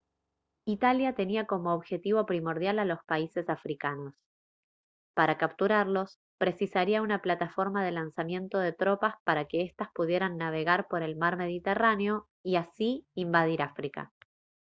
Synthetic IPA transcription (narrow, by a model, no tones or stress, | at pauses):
it̪aljat̪e̞niako̞mo̞ːβxe̞t̪iβo̞pɾimo̞ɾð̞jalalo̞spaise̞safɾikano̞s | paɾakap̚t̪uɾaɾlo̞s | pɾe̞sisaɾiaunaplat̪afo̞ɾmaðe̞lansamje̞nt̪o̞ð̞e̞t̪ɾo̞paspaɾake̞est̪aspuð̞jeɾanːaβ̞e̞ɣaɾpo̞ɾe̞lmaɾme̞ð̞it̪eraneo̞ | iasiimbað̞iɾafɾika̰